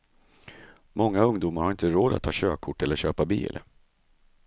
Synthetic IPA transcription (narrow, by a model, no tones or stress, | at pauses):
mɔŋːaɵŋd̪uːmaɾhaɾɪnt̪əɾoːd̪at̪ʰːɑːɕøːkʰʊʈːɛlːəɕøːpabḭːl